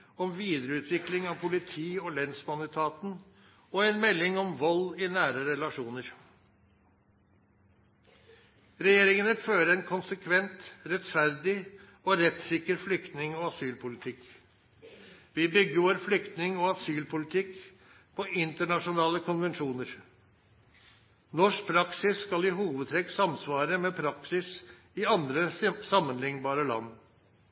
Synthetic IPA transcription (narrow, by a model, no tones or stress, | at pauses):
ɔmʋiːd̪ɾəʉːt̪ʰʋɪklɪŋɑʋpʰʊlɪt̪ʰiːɔlɛnsmɑnɪt̪ʰɑːt̪n̩ | ɔɛnmɛlːɪŋɔmʋɔlːɪnæːɾəɾɛlɑʂuːnəɾ | ɾɛjeːɾɪŋənəføːɾəɛnkʰʊnsəkʰʋɛnt̪ɾɛt̪fæɾd̪ɪ | ɔɾɛt̪sɪkəɾflʏkt̪nɪŋɔɑsyːlpʊlɪt̪ʰɪk | ʋɪbʏɡəʋɔɾflʏkt̪nɪŋɔːɑsyːlpʰʊlɪt̪ʰɪk | pʰɔʔɪnt̪əɳɑʂʊnɑːləkʰʊnʋɛnʂuːnəɾ | nɔʂk̚pʰɾɑksɪsːkɑlɪɦuːʋəd̪t̪ʰɾɛkːsɑmsʋɑːɾəmeːpʰɾɑksɪs | ɪɑnd̪ɾəsɑmːənlɪŋbɑːɾəlɑ̰nː